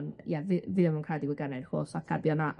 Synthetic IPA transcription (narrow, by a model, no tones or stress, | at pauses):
njavɪvɨðəmunkʰaːdiɡwɪɡanarho̰ːsakʰabjɔnaʔ